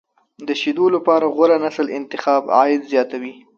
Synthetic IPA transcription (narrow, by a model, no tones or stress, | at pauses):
d̪əʃid̪olapɑɾaɣaɾanasəlɪnt̪ɪxɑbɑ̰jɪd̪zjɑt̪awi